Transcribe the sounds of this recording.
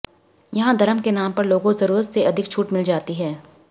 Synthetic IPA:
jɐɦãd̪ʱɐɾəmkenaːmpɐɾloːɡõzɐɾuːɾət̪seʔɐd̪ʱɪk̚t͡ʃʰuːʈmɪld͡ʒaːt̪iɦɛː

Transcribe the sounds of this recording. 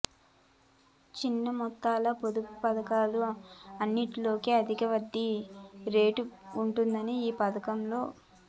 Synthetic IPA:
t͡ʃinːɐmɔt̪ːaːlɐpod̪ukupɐd̪ɐkaːluɐnːiʈilo̞ːkiɐd̪ʱikɐʋɐd̪ːiɾe̞ːʈuuɳʈund̪ɐniiːpɐd̪ɐkɐmlo̞ː

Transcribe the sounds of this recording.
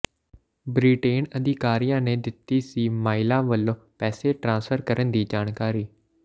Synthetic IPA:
bɾiːʈeːnəd̪ɪkaːɾijãːnẽːd̪ɪt̪ːiːsiːmaːɪlãːʋəlõːpɛːseːʈɾãːnsfʰəɾkəɾənd̪iːd͡ʒaːnkaːɾiː

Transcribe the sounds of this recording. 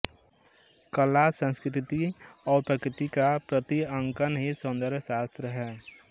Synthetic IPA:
kəlasə̃nskɾɪt̪iɔːɾpɾəkɾɪt̪ikapɾət̪iə̃ŋkənɦisʊ̃nd̪əɾbsaːst̪ɾəɦɛː

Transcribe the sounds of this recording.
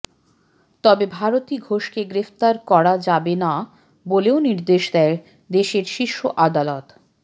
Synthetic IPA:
t̪ɔbebʱaɾot̪iɡʱoʃkeɡɾeft̪aɾkɔɾad͡ʑabena | boleoniɾd̪eʃd̪ɛɾ | d̪eʃeɾʃiʃːoʔad̪alot̪

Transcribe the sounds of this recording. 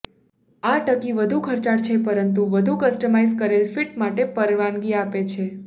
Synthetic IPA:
aʈəkiʋəd̪ʱukʰəɾt͡ʃaɾt͡ʃʰepəɾənt̪uʋəd̪ʱukəsʈəmaizkəɾelfiʈmaʈepəɾʋanɡiapet͡ʃʰe

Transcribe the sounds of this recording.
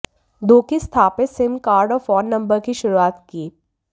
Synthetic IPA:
d̪oːkist̪ʰaːpesɪmkaːɾɖɔːɾfɔːnːɐ̃mbəɾkiʃʊɾuaːt̪kiː

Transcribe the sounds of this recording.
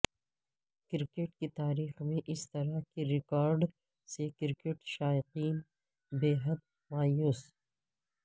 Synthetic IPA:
kɪɾkeʈ̚kit̪aːɾiːxmẽʔɪst̪ɐɾakiɾɪkɔːɾɖ | sekɪɾkeʈʃaːɪqiːn | beːɦɐd̪̚ | maːjuːs

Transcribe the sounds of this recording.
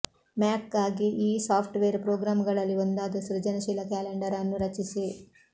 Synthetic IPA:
maːkɡaːɡiʔiːsaːpʰʈʋeːɾpɾoːɡɾaːmɡɐɭɐlːiond̪aːd̪ɐsɾɐd͡ʒɐnɐʃiːlɐkaːleɳɖɐɾɐnːuɾɐt͡ʃisi

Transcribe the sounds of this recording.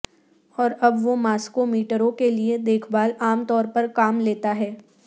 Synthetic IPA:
ɔːɾɐbʋomaːskomiːʈəɾõkelied̪eːkʰbaːlaːmt̪ɔːɾpɐɾkaːmleːt̪aɦɛː

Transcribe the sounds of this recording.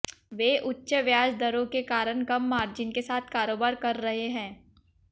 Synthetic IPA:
ʋeːʔʊtːʃəʋjaːd͡ʒd̪ɐɾõkekaːɾəɳkɐmːaːɾd͡ʒɪnkesaːt̪ʰkaːɾoːbaːɾkɐɾːɐɦeɦɛ̃ː

